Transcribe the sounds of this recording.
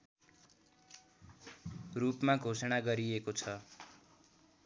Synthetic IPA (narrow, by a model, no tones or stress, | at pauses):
rupmaɡʱosʌɽ̃aɡʌɾiekot͡sʰʌ